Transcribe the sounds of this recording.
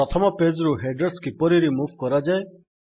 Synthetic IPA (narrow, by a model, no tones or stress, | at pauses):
ɔt̪ʰɔmɔped͡ʒɾuɦeɖəɾskipɔɾiɾimuːʋkɔɾad͡ʒae